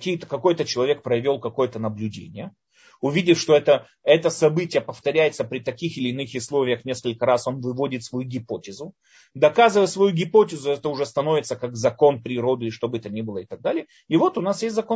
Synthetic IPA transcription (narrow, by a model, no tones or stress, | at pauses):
kʲijət̪əkɐko̞jt̪ət͡ɕɪlˠɐvʲe̞k̚pɾɐvʲo̞lˠkɐko̞jət̪ənəblʲʉdʲḛnʲɪjə | ʊvʲidʲɪfʂt̪o̞ɛt̪ə | ɛt̪əsɐbɨtʲɪjəpəft̪ɐɾʲæjɪt̪səpɾʲɪt̪ɐkʲixɪlʲɪːnɨxʊslˠo̞vʲɪjəxnʲe̞skəlʲkəɾaso̞nvɨvo̞dʲɪt̪svɐjuɡʲɪpo̞tʲɪzʊ | d̪ɐkazɨvəjsvɐjuɡʲɪpotʲɪzʊɛt̪əʊʐɛst̪ɐno̞vʲɪt̪səkakzɐko̞npɾʲɪɾo̞d̪ɨɪʂt̪o̞bɨɛt̪ənʲibɨlˠəɪt̪ɐɡ̚d̪alʲɪjə | ɪvo̞t̪ʊnasjesʲt̪ʲzɐko